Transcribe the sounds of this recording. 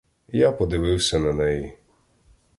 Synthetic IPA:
japɔd̪ɪʋɪwsʲɛnɐnɛji

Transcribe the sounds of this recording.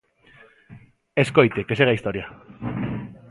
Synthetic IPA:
esko̞jt̪ekeseɣaist̪oɾia

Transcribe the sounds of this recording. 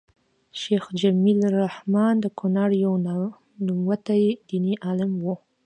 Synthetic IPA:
ʃexd͡ʒamilɾahmɑnd̪əkʰʊnɑɽjaw | numwat̪ajed̪iniʔalamwu

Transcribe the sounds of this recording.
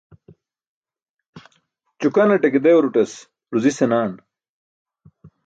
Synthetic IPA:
t͡ɕukɐnɐʈeked̪eoɾuʈɐs | ɾuzisenaːn

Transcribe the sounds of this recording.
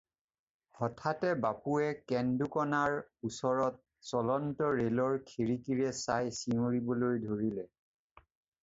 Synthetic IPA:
hɔtʰatɛbapuɛkɛndukɔnaɹusɔɹɔt̚ | sɔlɔntɔɹelɔɹkʰiɹikiɹɛsajsiuɹibɔlojdʱoɹilɛ

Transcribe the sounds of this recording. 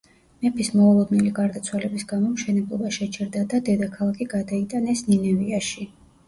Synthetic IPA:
mɛpʰismɔulˠɔd̪nɛliɡaɾd̪at̪sʰwalɛbisɡamɔmʃɛnɛblˠɔbaʃɛt͡ʃʰɛɾd̪ad̪ad̪ɛd̪akʰalˠakʰiɡad̪ait̪ʼanɛsninɛviaʃi

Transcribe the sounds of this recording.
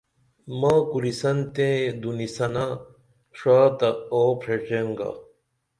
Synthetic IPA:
maːkuɾisɐnt̪ẽd̪unisɐna | ʂaːt̪ɐoːpʰɾeʈ͡ʂeŋɡa̰

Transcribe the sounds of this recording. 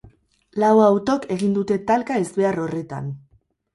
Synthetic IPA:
lawawt̪o̞ke̞ɣind̪ut̪e̞t̪alkae̞zβe̞arore̞t̪a̰n

